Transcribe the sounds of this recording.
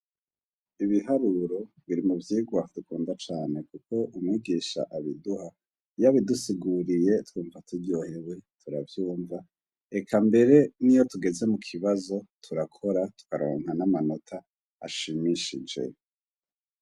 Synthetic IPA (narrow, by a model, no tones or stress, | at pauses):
iβiɦaɾuɾo̞ | βiɾimuvjiːɡwadukuːndat͡ʃaːne̞kuko̞ʔumŋiːɡiːʃa̰ʔaβiduha | jaβidusiɡuɾije̞twuːɱvatʰuɾɟoheβwe̞tʰuɾavjuːɱva | ekʰambe̞ɾe̞nijo̞tuɡe̞ze̞mukʰiβazo̞tʰuɾakʰo̞ɾatu̥kaɾo̞̰ːŋɦanamano̞tʰa̰ː | ʃimiʃḭd͡ʒe̞̰